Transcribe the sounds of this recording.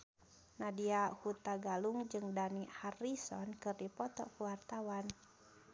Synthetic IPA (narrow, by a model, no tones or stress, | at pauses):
nadiahut̪aɡaluŋd͡ʒɨŋdaniharisɔnkɨrdipɔt̪ɔ̰kuwart̪awan